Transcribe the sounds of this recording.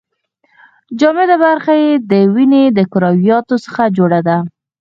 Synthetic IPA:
d͡ʒɑmed̪abaɾxajed̪əwined̪əkʊɾɑwijɑt̪osə̥xad͡ʒoɽad̪a

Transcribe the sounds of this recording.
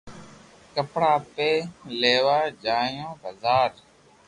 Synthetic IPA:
kəpɽaːpeːleːʋaːd͡ʒaːjõːbʱəzaːɾ

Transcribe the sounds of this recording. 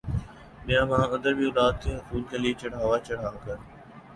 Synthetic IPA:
ɗɪjãːmãːə̃nd̪əɾbʱiʊlaːd̪̚k̪ʰeːɦʊsuːlkəliːt͡ɕəɽ̤aːʋaːt͡ɕɐɽ̤aːkəɾ

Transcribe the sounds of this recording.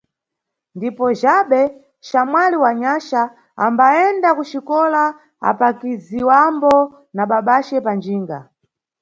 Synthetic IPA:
ndipɔʒaɓɛ | ʃamwaliwaɲaʃa | ambaɛndakuʃikɔla | a̰pakiziwambɔ | naɓaɓat͡ʃɛpand͡ʒiːŋɡa̰

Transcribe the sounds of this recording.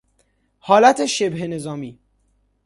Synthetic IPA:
hɒːlæt̪ʰeʃebɦene̞zɒːmiː

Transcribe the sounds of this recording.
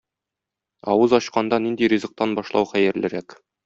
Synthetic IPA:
ɒwɤzɒɕqɑnd̪ɑnind̪iɾʲizɤ̆q̚t̪ɑnbɒʃlˠɑwχæjɘ̆ɾlɘ̆ɾæk

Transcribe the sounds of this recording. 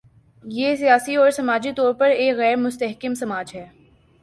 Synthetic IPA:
jeːsijaːsiɔːɾsɐmaːd͡ʒit̪ɔːɾpɐɾeːkɣɛːɾmʊst̪əɦkɪmsɐmaːd͡ʒɦɛː

